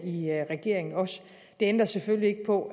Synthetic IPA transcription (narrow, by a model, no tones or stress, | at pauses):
iʁɛɡ̥e̝̰ɐ̰e̝ŋn̩ɒ̽s | d̥e̝end̥ʁɐseføllie̝ɡ̥əpʰɒ̽